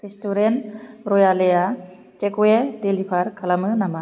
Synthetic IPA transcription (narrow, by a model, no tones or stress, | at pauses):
ɾestuɾenɾɔjaleja | tekuedelipʰaɾkʰalamɯnama